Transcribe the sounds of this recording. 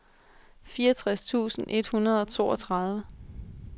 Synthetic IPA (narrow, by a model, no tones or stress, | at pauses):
fiːɐt͡sʰʁast͡sʰṵːsn̩ʔe̝d̥hunɐð̞ˠɒ̽t͡sʰo̝̰ːɒ̽t͡sʰʁɑ̈ð̞ˠʋə